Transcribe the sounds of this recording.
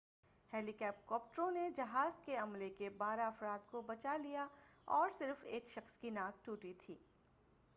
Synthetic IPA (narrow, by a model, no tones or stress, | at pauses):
heːlikɛːp̚kɔːp̚ʈəɾõned͡ʒɐɦaːzkeɐmlekebaːɾaɐfɾaːd̪̚kobɐt͡ʃalijaɔːɾsɪɾfeːkʃɐxskinaːɡ̚ʈuːʈit̪ʰiː